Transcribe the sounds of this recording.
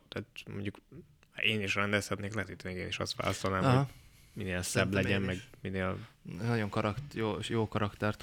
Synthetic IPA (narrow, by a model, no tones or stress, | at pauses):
t̪ɛːt̪mo̰ɲɟuk | eːniʃrɛnd̪ɛlsɛbneːknɛt̪it̪ːnɛɡeːniʃɒ̰st̪ʋa̰ːlɒ̰st̪olnaːmɦoɒmineːlsɛblɛɟɛmmɛɡmineːlnɒɟo̞ŋkɒɾɒktjoːjoːkɒɾɒkt̪ɛrt̪